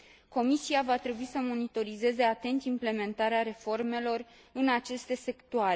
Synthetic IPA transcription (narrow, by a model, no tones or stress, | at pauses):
ko̞misiavat̪ɾe̞buisəmo̞nit̪o̞ɾize̞ze̞at̪e̞nt̪imple̞me̞nt̪aɾeaɾe̞fo̞rme̞lo̞r | ɨnat͡ʃe̞st̪e̞se̞kt̪uaɾe